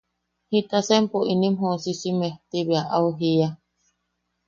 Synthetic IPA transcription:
hit̪asempoʔinĩmɦosisimeht̪iβiaʔauɦia

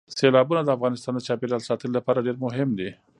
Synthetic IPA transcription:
selɑbunad̪əafɣɑnɪst̪ɑnd̪ət͡ʃɑpeɾɑlsɑt̪əllapɑɾaɖeɾmʊɦɪmd̪i

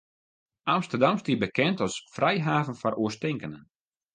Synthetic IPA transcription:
amstərdamstibəkɛntɔsfrɛjɦaːvənfɔɾʔuəstɪŋkənən

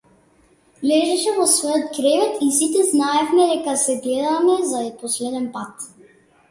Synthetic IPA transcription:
lɛʒɛʃɛvɔsvɔjɔt̪kɾɛvɛt̪ʰisit̪ɛznaɛfmɛd̪ɛkasɛɡlɛd̪amɛzaɛpɔslɛd̪ɛnpat̪

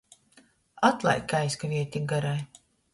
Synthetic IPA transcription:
at̪lˠa̰jkːajskavʲiɛt̪ʲiɡaɾaj

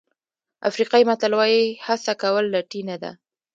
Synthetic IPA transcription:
a̰fɾiqɑjimat̪alwɑjihasakawəlːaʈinad̪a̰

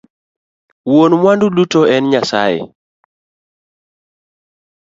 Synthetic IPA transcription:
wonmwandulutoɛnɲasa̰jḛ

